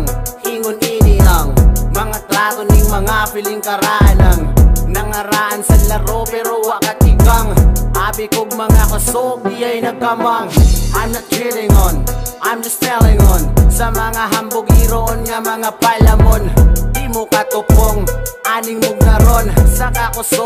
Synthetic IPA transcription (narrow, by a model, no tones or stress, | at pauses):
ŋʔiŋoniːnɪʔɐŋmɐŋat̪ɾat̪onɪŋmɐŋapɪliŋkɐɾaʔanaŋnɐŋɐɾaʔɐnsɐlɐɾopɛɾowaʔkat̪̚ɪɡaŋʔabɪkoɡ̚mɐŋakɐsopjajnɐɡ̚kamaŋʔamnɐt͡ʃɪlɪŋonʔamɪst̪ɛlɪŋonsɐmɐŋaɦɐmbʊɡiɾoʔonŋɐmɐŋapalɐmonimʊkat̪ʊpoŋaːlɪŋmʊɡ̚nɐɾonsɐkakʊso